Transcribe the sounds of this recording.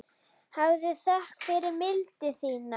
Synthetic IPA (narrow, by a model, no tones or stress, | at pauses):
havðʏθahkfɪɾɪɾmɪlt̪ɪθiːna